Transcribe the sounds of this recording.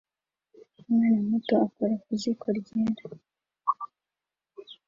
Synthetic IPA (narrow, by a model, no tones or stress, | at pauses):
najemutoakoɾakuzikʰoɾɟeɾa